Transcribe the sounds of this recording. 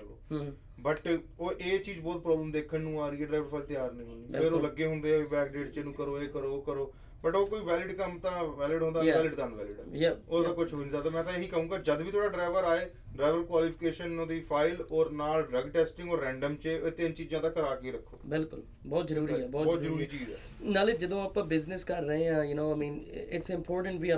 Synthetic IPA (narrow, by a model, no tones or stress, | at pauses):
lo̰ː | bəʈoːʔeːt͡ʃiːd͡ʒbɔːt̪̚pɾɔːbləmd̪eːkʰənnũːaːɾiːɛːɖɾaːɪʋəɾpʰaːɪlt̪ɪjaːɾnə̃ĩːɦoːd̪iːpɪɾoːləɡeːɦʊ̃nd̪eːɛːʋiːbɛːkɖeːʈt͡ʃenũːkəɾoːeːkəɾoːkəɾoː | bəʈoːkoːiːʋɛːlɪɖkəmt̪ãːʋɛːlɪɖɦõnd̪aːɛːlɪɖt̪ãːnʋɛ̰ːlɪɖ̰ːoːaːkʊt͡ʃʰɦoːniːzaːd̪aːmɛ̃ːt̪ãːeːnĩːkəɦũːɡaːd͡ʒəd̪ʋiːt̪ʰoːɽaːɖɾaːɪʋəɾaːeː | ɖɾaːɪʋəlkwaːliːpʰɪkeːʃənod̪iːpʰaːɪlɔːɾnaːlɖɾəɡʈɛːsʈɪ̃ŋɡoːɾɛ̃ːɳɖəmt͡ʃeːt̪ɪnt͡ʃiːd͡ʒãːt̪ãːkəɾaːkiːɾəkʰːo̰ːbɪlkʊl | bɔːt̪zəɾuːɾiːɛːbɔːt̪ɔːt̪zəɾuːɾiːt͡ʃiːd͡ʒɛ̰ː | naːld͡ʒɪd̪õːaːpːbɪznɪskəɾːəɦẽːãːjʊnoːaɪmĩːnɪʈsɪ̃mpʰɔːɾʈə̃ɳʈʋiː